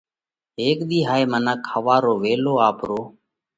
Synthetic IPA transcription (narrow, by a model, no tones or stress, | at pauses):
eːkɗ̪iːɦaːeːmənaːkʰəʋaːɾoːʋeːloːaːpɾoː